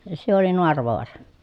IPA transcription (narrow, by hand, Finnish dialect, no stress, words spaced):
se oli noɑrʋoɑrɑ